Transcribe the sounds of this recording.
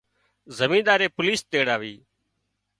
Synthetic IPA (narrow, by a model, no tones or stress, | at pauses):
zəmĩːd̪aːɾeːpʊliːst̪eːɽaːʋiː